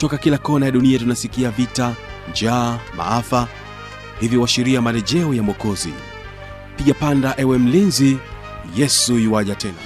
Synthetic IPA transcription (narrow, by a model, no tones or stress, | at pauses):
tɔkakilakɔnajaɗuniatunasikiavita | nd͡ʒaːma̰afa | hivjiwaʃiɾiamalɛʄɛɔjamɔkɔzḭ | piʄapandaʔɛwɛm̩linzi | jɛsuiwaʄatɛna̰